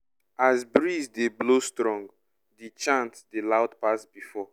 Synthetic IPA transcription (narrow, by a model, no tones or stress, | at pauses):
azbɹizdeblostɹɔ̃ŋɡ | dit͡ʃãntdelaʊtpasbifɔ